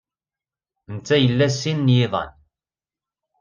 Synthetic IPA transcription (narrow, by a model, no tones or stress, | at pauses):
nt͡sːæjəlːæsːinːjiðˤɑ̰n